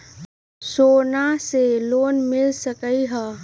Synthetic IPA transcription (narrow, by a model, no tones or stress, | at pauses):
soːnaseloːnmɪlsəkəiɦɛː